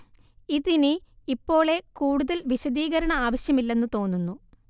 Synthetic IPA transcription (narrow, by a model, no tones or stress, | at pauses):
iðiniipːo̞ːɭe̞kuːɽuðɐlʋiɕɐðiːɣɐɾɐɳɐaːʋɐɕjɐmilːe̞nːut̪o̞ːnːunːu